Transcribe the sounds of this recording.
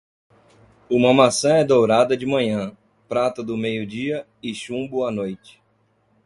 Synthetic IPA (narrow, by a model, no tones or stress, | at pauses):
ũmɐmasɐ̃ɛd̪owɾad̪ɐd͡ʒɪmɐ̃ɲɐ̃ | pɾat̪ɐd̪ʊmejʊd͡ʒiɐ | ɪʃũbʊanojt͡ʃɪ̥